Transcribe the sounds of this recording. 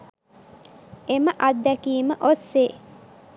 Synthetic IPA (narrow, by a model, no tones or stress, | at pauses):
eməʔad̪ːækiːməʔosːeː